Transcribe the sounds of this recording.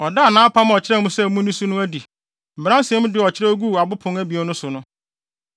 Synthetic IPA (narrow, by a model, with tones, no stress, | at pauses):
ɔ˨da˦˨nãː˦pʰa˦m˦ɔ˨t͡ɕʰɪ˦ɾɛ˦mũ˦sɛ˦˨mũ˦nĩ˦su˦nʊ̃˦æ˦di˨ | m̩˨bɾã˦sɛ˦mʊ̃˦dɪ˦ɔ˨t͡ɕʰɪ˦ɾɛ˦ɡu˦˨a˨bʊ˦pʰʊ̃˨ŋæ˦bi˨ɔ˦nʊ̃˦sʊ˨nʊ̃˦